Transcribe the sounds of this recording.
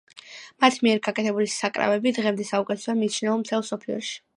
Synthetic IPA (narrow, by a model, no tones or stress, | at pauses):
mat̪ʰmiɛɾɡakʼɛt̪ʰɛbulisakʼɾa̰vɛbid̪ʁɛmd̪ɛsaukʼɛt̪ʰɛ̥samit͡ʃʰnɛɔmt̪ʰɛlˠsɔpʰiɔ̰ʃi̥